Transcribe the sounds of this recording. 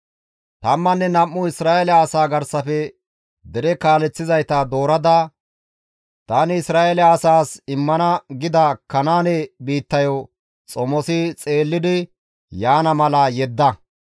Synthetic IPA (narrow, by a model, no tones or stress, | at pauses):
t̪ɐmːɐnːɛnɐmːʊɪsɾaːʔelɐːsaːɡɐɾsɐfɛ | d̪ɛɾɛkaːlɛt͡sːɪzɐjt̪ad̪o̞ːɾɐd̪aː | t̪aːnɪɪsɾaːʔelːsaːsɪmːɐnɐɡɪd̪ɐkɐnaːnɛbiːt̪ːɐjɔ | t͡sʼɔmɔsɪt͡sʼe̞ːlːɪd̪ɪ | jaːnɐmɐlɐjɛd̪ːɐ